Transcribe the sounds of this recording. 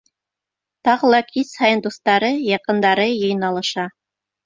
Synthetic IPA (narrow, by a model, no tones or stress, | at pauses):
t̪ɑʁɤ̆lˠɑkʰishɑjɤ̆nd̪ust̪ɑɾɤjɑqɤ̆nd̪ɑɾɤjɤ̆j̆nɑlˠɤ̆ʃɑ